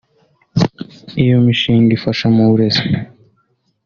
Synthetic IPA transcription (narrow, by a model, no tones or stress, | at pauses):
ijomiʃiːŋɡifaʃamauɾes